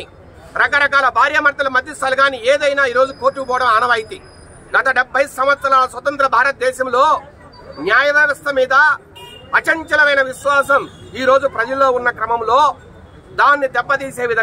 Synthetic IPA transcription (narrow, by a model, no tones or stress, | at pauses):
i | ɾɐkɐɾɐkaːlɐbʱaːɾjɐmɐɾt̪ɐlɐmɐd̪ːisɐlɡaːnieːd̪ɐjnaːiːɾoːd͡ʒukoːʈːupɔːɽɐmaːnɐʋɐjit̪i | ɡɐt̪ɐɖɛbʱːɐjsɐmʋɐt̪sɐɾaːlɐsʋɐt̪ɐnt̪ɾɐbʱaːɾɐt̪̚d̪ɛːʃɐmlo̞ː | njaːjɐʋɐːʋɐst̪ɐmiːd̪ɐː | t͡ʃɐɲt͡ʃɐlɐʋɐjnɐʋiʃʋaːsɐmiːɾo̞ːd͡ʒupɾɐd͡ʒɐlːo̞ːunːɐkɾɐmɐmlo̞ː | d̪aːnːid̪ɛpːɐd̪iːse̞ːʋid̪ʱɐ